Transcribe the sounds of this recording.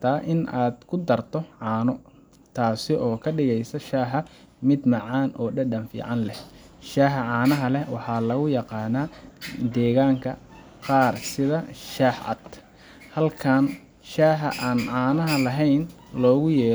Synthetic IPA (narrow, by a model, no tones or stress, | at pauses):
t̪ʰaːʔɪnaːd̪kʰʊd̪ɐrt̪ʰɔʕɑːnɔ | t̪ʰaːsɪʔɔːkʰɐɖɪɣɛjsɐʃaːħɐ | mɪd̪mɑʕɑːnʔɔːɖɐɖɐnfḭːʕɑnlɛh | ʃaːħɐʕɑːnɐɦɐlɛwɑħɑːlɐɣʊjɑqɑːnaːd̪ɛːɣaːŋkʰɐ | qɑːrsɪðɐʃaːħɐ̰d̪ | hɐlkʰaːn | ʃaːħɐʔaːnʕɑːnɐɦɐlɐɦɛjn | lɔːɣʊjɛː